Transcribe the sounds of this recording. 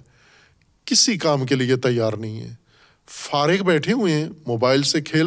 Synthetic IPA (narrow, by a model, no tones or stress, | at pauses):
kɪsikaːmkeliet̪ɐjːaːɾnɐɦĩɦɛ̰ː | faːɾɪkbɛːʈʰeɦʊẽmoːbaːɪlsekʰeːl